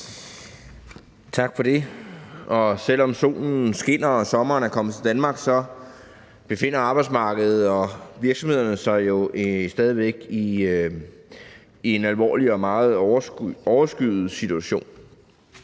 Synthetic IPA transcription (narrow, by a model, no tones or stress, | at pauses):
t͡sʰɑ̈ɡ̥fɒ̽d̥e̝ | ɒ̽sel̰ɒ̽mso̝̰ːln̩sɡ̥e̝n̰ɐɒsɒ̽mɐːnæɐkʰɒ̽mət͡sʰe̝d̥ænmɑ̈ːɡ̥sɒ̽ | b̥e̝fe̝n̰ɐɑ̈b̥ɑ̈ɪd̥s̬mɑ̈ːɡ̥əð̩ˠɒ̽ʋiɐɡ̥sɒmhe̝ð̞̰ˠɐnəsɑ̈ɪjo̝esd̥ɛːð̞ˠiʋeɡ̥i | e̝nælʋɒ̰ːliɒ̽mɑ̈ːð̞̩ˠɒʊɐsɡ̥yðð̩ˠsit͡sʰuæɕo̝̰ːn